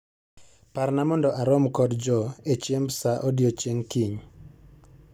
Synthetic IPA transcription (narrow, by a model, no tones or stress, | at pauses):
parnamɔndɔʔaɾɔmkɔdd͡ʒɔet͡ʃembsaʔodjot͡ʃeŋkiɲ